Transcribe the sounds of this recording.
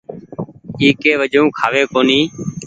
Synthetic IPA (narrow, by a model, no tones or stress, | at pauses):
iːkeːʋəd͡ʒʱõːkʰaːʋeːkoːniː